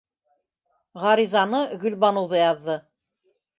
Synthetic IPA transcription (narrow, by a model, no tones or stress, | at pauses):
ʁɑɾizɑnɤɣɵ̆lbɑnŏwðɤjɑðːɤ